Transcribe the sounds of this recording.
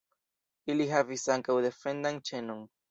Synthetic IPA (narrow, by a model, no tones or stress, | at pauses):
iliɦavisaŋkawðefend̪aŋt͡ʃenoŋ